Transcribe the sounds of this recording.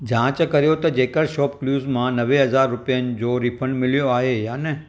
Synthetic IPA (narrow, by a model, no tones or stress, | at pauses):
d͡ʒãt͡ʃkəɾjot̪ed͡ʒekəɾʃɔpkluzmãnəʋeɦəzaɾːupjand͡ʒoɾipʰəɳɖmɪljoaɦejane